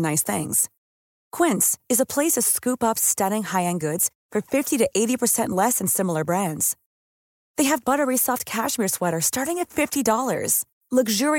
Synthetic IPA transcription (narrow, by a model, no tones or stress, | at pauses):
naɪsθɪ̰̃ŋz̥ | kʰw̥ɪ̃ntsɨzəpʰl̥eɪsʌv̥skʉpʌpstʌɾɪ̃ŋhaɪɨ̃nɡʊdz̥ | fə˞fɪftiɾɨʔeɪɾipʰə˞sɛ̃nʔlɛsɨ̃nsɪ̃ml̩ˠə˞bɹæ̃ndz̥ | ðeɪɨvbʌɾə˞isɔft̚kʰæʃmɪɹswɛɾə˞stɑɹɾɪ̃ŋɨtfɪftidɔlˠə̰˞z̥ | ləɡʒʊɹi